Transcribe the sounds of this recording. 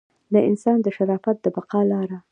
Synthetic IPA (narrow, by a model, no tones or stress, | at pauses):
d̪əɪ̰nsɑnd̪əʃaɾɑfat̪̚d̪əbaqɑlɑɾa